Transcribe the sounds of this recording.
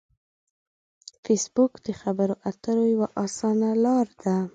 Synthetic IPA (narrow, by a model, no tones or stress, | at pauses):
fesbukd̪̥əxabəɾoʔat̪əɾojawaʔɑsɑnalɑɾd̪a